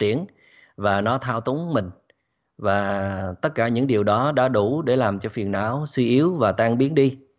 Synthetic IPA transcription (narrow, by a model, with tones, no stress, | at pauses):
t͡ɕi˧˩ən | vaː˨˩nɔ˨˦t̪ʰaː˧wt̪u˨˦ŋ͡mmï˨˩ŋ̟ | vaː˨˩t̪ə˦˥t̚kaː˧˩ɲɨ̰˧˥ŋɗi˨˩əwɗɔ˨˦ɗa̰ː˧˥ɗu˧˩ɗe˧˩laː˨˩mt͡ɕɔ˧fi˨˩ənʔa̰ː˧˥˩wswi˧ʔi˨˦əwvaː˨˩t̪aː˧ŋɓi˨˦ənɗi˧